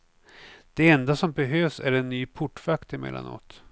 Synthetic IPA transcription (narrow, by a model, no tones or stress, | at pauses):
d̪̥ɛɛnd̪asɔmbɛɦøːvsæɾɛnːyːpʰʊʈːfakt̪ɪmɛ̰lːa̰no̰t̪